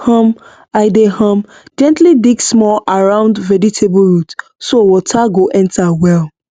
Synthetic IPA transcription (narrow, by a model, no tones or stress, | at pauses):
hɔ̃m | aɪdehɔ̃m | d͡ʒɛ̃ntlidiksmɔlaɹãʊ̃ndvɛditʰebɹutsowɔtʰaɡoʔɛ̃ntʰawɛl